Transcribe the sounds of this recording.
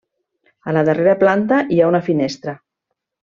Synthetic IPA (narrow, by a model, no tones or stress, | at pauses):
ələðəreɾəplant̪əʔiaunəfinest̪ɾə